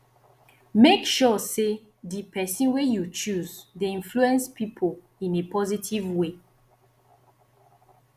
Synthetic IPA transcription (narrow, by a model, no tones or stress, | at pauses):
mekʃɔse | dipʰɛsĩnwejut͡ʃuzdeĩnfluɛ̃nspʰipʰol | ĩnepɔzitʰivwe